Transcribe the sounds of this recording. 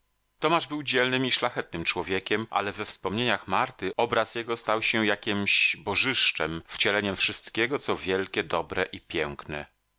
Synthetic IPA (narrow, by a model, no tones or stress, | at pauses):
t̪ɔmaʐbɘwd͡ʑɛlnɘmiʂlaxɛt̪̚nɘmt͡ʂwɔvʲjekʲɛmʔa̰lɛvɛfspɔmɲeɲaxmaɾt̪ɘɔbɾasjɛɡɔst̪awɕɛjakʲimɕbɔʐɘʂt͡ʂɛmft͡ɕɛlɛɲɛmfʂɘst̪kʲɛɡɔt̪sɔvʲjɛlkʲɛd̪ɔbɾɛʔipʲjɛŋknɛ̰